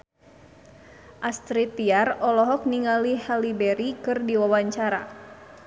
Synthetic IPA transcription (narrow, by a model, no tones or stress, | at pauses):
ʔast̪ɾit̪iarɔlɔɦɔk̚niŋalihalibɛɾikɨrdiwawaɲt͡ʃaɾa